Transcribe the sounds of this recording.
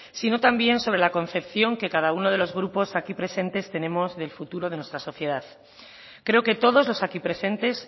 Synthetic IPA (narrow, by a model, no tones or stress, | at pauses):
sino̞t̪ambje̞nso̞β̞ɾe̞lako̞nθe̞pθjo̞ŋke̞kaðauno̞ð̞e̞lo̞zɣ̞ɾupo̞sakipɾe̞se̞nt̪e̞st̪e̞nẽ̞mo̞zðe̞lfut̪uɾo̞ð̞e̞nwe̞st̪ɾaso̞θje̞ðað | kɾe̞oke̞t̪o̞ð̞o̞zlo̞sakipɾe̞se̞nt̪e̞s